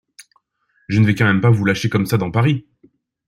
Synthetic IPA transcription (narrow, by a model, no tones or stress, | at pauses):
ʒənvɛkɑ̃mɛmpavulaʃekɔmsad̪ɑ̃paʁi